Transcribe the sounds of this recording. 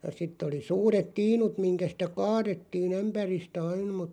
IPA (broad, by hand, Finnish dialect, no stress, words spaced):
jɑ sitˑ oli suːret tiːnut miŋkæ sĭtæ kɑːɾetːiːn̞ æmpæristæ ɑin mut